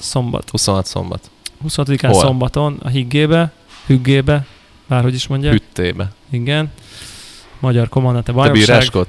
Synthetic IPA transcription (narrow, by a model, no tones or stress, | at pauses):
so̞mbɒ̰t̪husonɒt̪so̰mbɒ̰t̪ | husonɑt̪od̪ikaːnso̞mbɒt̪o̞nɒ̰ɦiɡːeːbɛ | hyɡːeːbɛ | b̥aːrɦo̞ɟiʃmo̞ɲɟaːyt̪ːeːbɛiɡɛn | mɒɟɒrko̞mɒnd̪ant̪ɛbɒj̪obiɾaːʃkot̪